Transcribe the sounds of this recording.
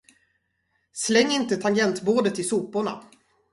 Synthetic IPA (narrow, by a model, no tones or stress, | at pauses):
slɛŋːɪnt̪ət̪ʰaŋɡɛnt̪boːd̪ət̪ɪsuːpʊɳa̰